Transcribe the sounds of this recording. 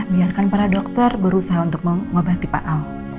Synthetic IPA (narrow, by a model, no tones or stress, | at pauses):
hbiarkanpaɾadɔk̚t̪ɔrbəɾusaɦaunt̪ʊk̚məŋobat̪ipa̰ʔaw